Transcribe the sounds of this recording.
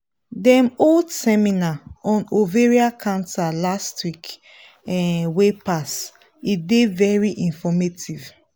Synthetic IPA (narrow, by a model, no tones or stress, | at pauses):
dɛmoldsɛminaɔ̃noveɹiakʰãntalastwik | ɛwepas | idevɛɹiʔĩnfɔmetiv